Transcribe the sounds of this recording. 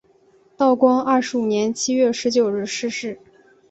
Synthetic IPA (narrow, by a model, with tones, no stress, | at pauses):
t̪ɑ˥˩ʊkwɑ˥ŋɐ˥˩ʂɻ̩˧˥u˨˩njɛ˧˥nt͡ɕʰi˥ɥɛ˥˩ʂɻ̩˧˥t͡ɕjo˨˩ʊɻɻ̩˥˧ʂɻ̩˥˧ʂɻ̩˥˩